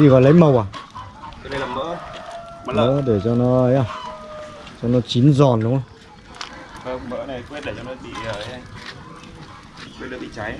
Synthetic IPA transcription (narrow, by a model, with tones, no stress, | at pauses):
zi˨˩ɣɔ̰˧˨lə˨˦jmə˨˩wa˨˩ | ə˨ɗə˧jlaː˨˩mə̰˧˥˨ | mə̰˧˥əɗe˧˩t͡ɕɔ˧nɔ˨˧˦ja˧˩ | t͡ɕɔ˧nɔ˨˦t͡ɕi˨˦nzɔ˨˩nːu˨˦˨ | ə˧mə̰˧˥na˨kwe˦˥t̚ɗe˧˩ɔ˧n˧ɓḭ˧˨ə˨˧ | kwt̚ɗ̰ɨ˧˨˩ɓḭ˧˨˩t͡ɕa˨˦j